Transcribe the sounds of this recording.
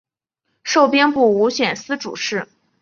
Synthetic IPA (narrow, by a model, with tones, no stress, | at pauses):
ʂo˥˩ʊpjɛ˥npu˥˩u˧˥ɕɥɛ˨˩nsɹ̩˥ʈ͡ʂṵ˨˩ʂɻ̩˥˩